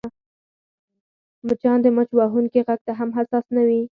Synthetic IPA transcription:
mət͡ʃɑnd̪əmət͡ʃwɑɦuŋkiɣaɡ̚t̪aɦamɦasɑsnawi

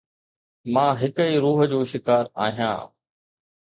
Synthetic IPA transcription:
mãːɦɪkiːɾuːɦə̆d͡ʑoːʃɪkaːɾa̰ːɦijã̰ː

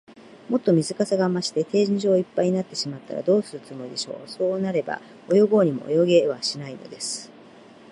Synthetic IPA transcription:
mo̞t̪ːo̞mʲizɨkasaɡamaɕi̥t̪e̞t̪e̞ːʑĩɲʑo̞ːipːaiɲ̟inat̪ːe̞ɕimat̪ːa̰ɾa̰d̪o̞ːsɨɾɯ̟t͡sɨmo̞id̪e̞ɕo̞̰ːso̞ːnaɾe̞ba̰ | o̞jo̞ɡo̞ːɲ̟imo̞̰o̰jo̞ɡe̞β̞aɕinaino̞̰d̪e̞sɨ̥

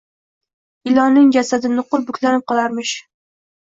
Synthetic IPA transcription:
ɪlˠɒnɪŋd͡ʒasad̪ɪnɪqʊɾˠbʊkʲlanɪp̚qʰɒlˠaɾmɪʃ

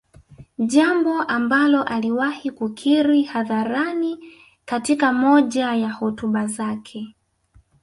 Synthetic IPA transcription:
ʄambɔʔambalɔʔaliwahikukʰiɾihaðaɾani | katikamɔʄajahɔtuɓazakʰɛ

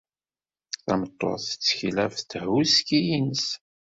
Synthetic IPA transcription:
θæmət̪ˤːo̰θə̥t͡sːçilæft̪ːɦuskijins

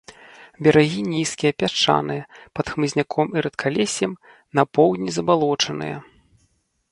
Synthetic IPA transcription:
bʲɐɾaɣʲinʲiskʲijɐpʲat͡ʂa̰nɨjɐpɐt̪xmɨzʲnʲakʰɔmiɾɐt̪kʰalʲesʲjɛm | nɐpɔwd̪ʲnʲizɐbalˠɔt͡ʂɐnɨ̰jɐ̰

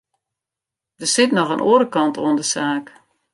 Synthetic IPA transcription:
d̥əsɪtnɔxənʔoːɾəkɑntʰoəndəsaːk

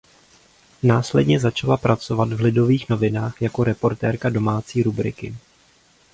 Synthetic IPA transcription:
naːslɛdɲɛzat͡ʃalapɾat͡so̞vat̪vlɪdo̞viːxno̞vɪnaːxjako̞ɾɛpo̞ɾt̪ɛːɾkado̞maːt͡siːɾubɾɪ̰kɪ̰

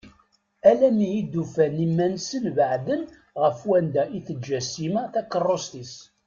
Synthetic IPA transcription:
ælænijid̪ːufænimːænsənvəʕd̪ən | ʁəfwænd̪æʔiθəd͡ʒːæsimæθækːərˤːost̪is

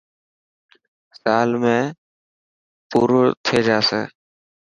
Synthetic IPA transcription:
saːlmẽː | puːɾt̪ʰeːd͡ʒaːsḛː

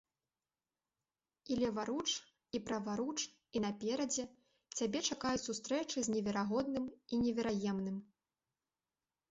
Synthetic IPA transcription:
ilʲɛvaɾut͡ʂ | ipɾɐvaɾut͡ʂ | inɐpʲɛɾɐd͡zʲɛ | t͡sʲabʲɛt͡ʂakajusust̪ɾɛt͡ʂɨzʲnʲɛvʲɛɾaɣɔd̪nɨminʲɛvʲɛɾajɛmnɨm

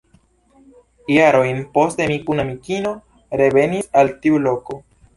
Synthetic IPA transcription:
jaɾo̞jnpo̞stemikunamikino̞ | ɾe̞ve̞nisaltiulo̞ko̞

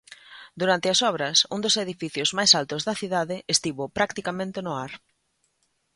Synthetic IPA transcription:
d̪uɾant̪ɪɐsɔβ̞ɾɐsṵŋd̪ʊseðifiθjʊzmajsalt̪ʊzðɐθiðaðɪʔest̪iβopɾakt̪ikamẽnt̪ɪnʊaɾ

